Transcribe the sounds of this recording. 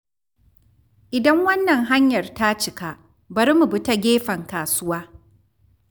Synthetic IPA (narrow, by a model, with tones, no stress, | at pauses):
ʔɪ˨dɐ˦ŋwɐ˦nːɐ˨ŋɦa˦ɲjɐ˨rta˦t͡ʃɪ˨ka˦ʔ | bɐ˨ɾmu˨bʊ˦ta˦ɡʲeː˦ɸɐ˨ŋkaː˨sʊ˦waː˦